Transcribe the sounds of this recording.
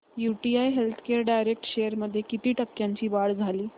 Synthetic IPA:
juʈiajɦelt̪ʰkeəɾɖajɾek̚ʈɕejəɾməd̪ʱːjekit̪iːʈəkːjaɲt͡ɕiːbaɽd͡zʱaliː

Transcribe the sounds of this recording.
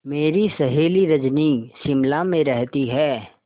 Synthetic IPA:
meːɾisɐɦeːliɾɐd͡ʒniʃɪmlamẽɾɛɦt̪iɦɛː

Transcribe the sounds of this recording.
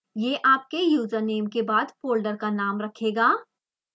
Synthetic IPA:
jeːʔaːp̚kejuːzəɾneːmkebaːd̪poːlɖəɾkanaːmɾɐkʰeːɡaː

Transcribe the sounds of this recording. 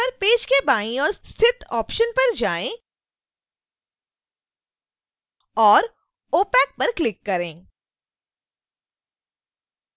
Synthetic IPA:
əɾpeːd͡ʒkebaːĩɔːɾst̪ʰɪt̪ɔːpʃənpɐɾd͡ʒaːẽ | ɔːɾ | oːpɛːk̚pɐɾklɪkːɐɾẽː

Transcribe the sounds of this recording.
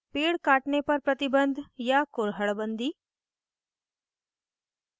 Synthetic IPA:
peːɽkaːʈnepɐɾpɾɐt̪ɪbənd̪ʱjakʊɾɦəɭbənd̪iː

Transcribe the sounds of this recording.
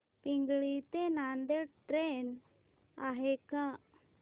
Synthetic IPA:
pĩŋɡɭit̪enand̪eʈɾen | aɦekã

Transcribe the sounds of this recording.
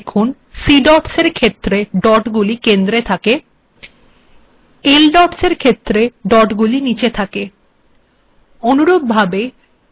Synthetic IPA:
kʰun | siɖɔʈseɾkʰet̪ːɾeɖɔʈɡulikend̪ɾet̪ʰake | elɖɔʈseɾkʰet̪ːɾeɖɔʈɡulinit͡ɕet̪ʰake | onuɾobbʱabe

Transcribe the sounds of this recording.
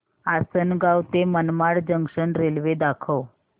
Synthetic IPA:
asənɡawt̪emənmaɽd͡ʑəŋkʂəɳɾelʋed̪akʰəw

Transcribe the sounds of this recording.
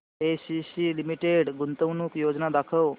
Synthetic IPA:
esisilimiʈeɽɡunt̪əwnuːkjod͡znad̪akʰəw

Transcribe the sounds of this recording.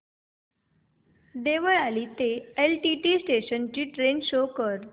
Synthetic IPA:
d̪eʋəɭaliːt̪eelʈiʈiːsʈeɕənt͡ɕiːʈɾenɕokəɾ

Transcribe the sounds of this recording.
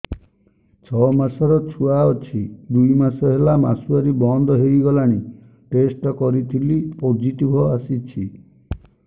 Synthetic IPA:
t͡ʃʰɔmasɔɾɔt͡ʃʰuaɔt͡ʃʰid̪ujmasɔɦelama̰suaɾibɔnd̪ɔɦejɡɔlaɽ̃i | ʈesʈɔkɔɾit̪ʰilipod͡ʒiʈibʱɔasit͡ʃʰi

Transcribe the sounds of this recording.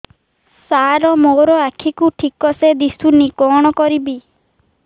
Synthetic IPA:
saɾɔmoɾɔakʰikuʈʰikɔsed̪isunikɔɽ̃ɔkɔɾibi

